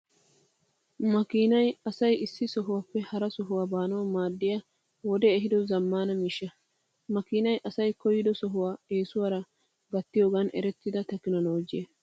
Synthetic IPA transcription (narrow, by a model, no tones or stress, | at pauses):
mɐkiːnɐjɐsɐjɪsːɪsɔɦʊwapːɛhɐɾɐsɔɦʊwaːbaːnɐwɐmaːd̪ːɪjɐ | wɔd̪ɛːɦɪd̪ɔzɐmːaːnɐmiʃːɐ | mɐkiːnɐjʔɐsɐjkɔjɪd̪ɔsɔɦʊwaːe̞ːsʊwɐɾɐ | bɐt̪ːɪjoːɡɐnɛ̰ɾɛt̪ːɪd̪ɐt̪ɐkːɪnɐnoːd͡ʒɪje